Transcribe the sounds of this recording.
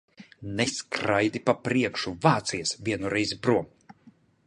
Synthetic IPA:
nɛskɾajd̪ipapɾiɛkʃuvaːt̪sijasvʲiɛnuɾɛjzipɾuɔm

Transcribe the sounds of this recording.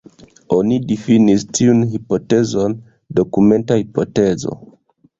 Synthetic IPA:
o̞nidifinistʰiunɦipo̞te̞zo̞n | do̞kume̞ntahipo̞te̞zo̞̰

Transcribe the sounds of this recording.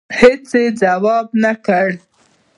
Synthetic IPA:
hɪt͡sed͡zawɑbnakəɽ

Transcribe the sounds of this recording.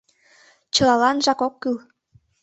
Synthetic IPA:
t͡ɕɤ̆lɑlɑnʒɑkokːyl

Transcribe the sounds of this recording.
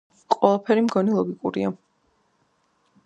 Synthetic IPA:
qʼwɛlˠapʰɛɾimɡɔnɛlˠɔɡikʼuɾḭa

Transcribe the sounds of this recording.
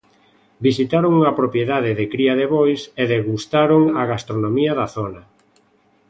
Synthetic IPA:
bisit̪aɾoŋuŋɐpɾopjeðaðɪðɪkɾiaðeβojseðeɣust̪aɾoŋaɣast̪ɾonomiɐðaθonɐ

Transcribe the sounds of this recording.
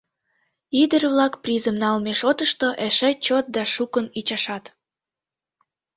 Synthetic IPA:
id̪ərβlɑkprizəmnɑlmeʃot̪əʃt̪oʔeʃet͡ɕot̪̚d̪ɑʃukənit͡ɕɑʃɑt̪

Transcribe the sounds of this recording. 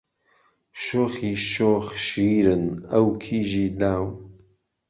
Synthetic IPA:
ʃoːxiːʃoːxʃiːɾənəwkʰiːʒiːlaːw

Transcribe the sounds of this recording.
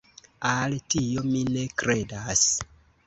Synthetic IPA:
altiomine̞kɾe̞das

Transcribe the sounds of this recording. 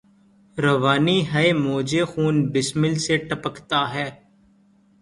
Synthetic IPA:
ɾəʋaːniːɦəemoːd͡ʒexuːnbɪsmɪlseʈəpəkt̪aːɦɛː

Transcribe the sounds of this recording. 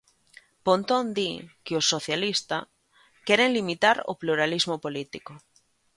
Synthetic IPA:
põnt̪õnd̪ikeosːoθjalist̪a | keɾenlimit̪aɾo̰pluɾalizmopolit̪iko

